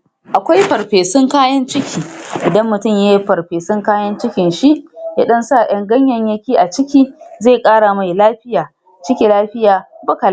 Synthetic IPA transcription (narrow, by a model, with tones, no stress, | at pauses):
ʔa˨kʷa˦jɸɐ˨ɾɸeː˨sʊ˦ŋkaː˦jɐ˦nt͡ʃɪ˦kʲʰiː˨ʔɪ˨dɐ˦mːʊ˨tʊ˦˨mjaː˦jɸɐ˨ɾɸeː˨sʊ˦ŋkaː˦jɐ˦nt͡ʃɪ˦kʲɪ˨nʃi˦ʔjaː˦ɗɐ˦nsa˦˨j̰ɐ˦ŋɡɐ˦ɲjɐ˨ɲjɐ˦kʲiː˦ʔa˨t͡ʃɪ˦kʲiː˦zeː˦˨kʼaː˦ɽa˨ma˨jlaː˦ɸɪ˦jaː˨ | t͡ʃɪ˦kʲe˨laː˦ɸɪ˦jaː˨bɐ˦ka˨la˦˨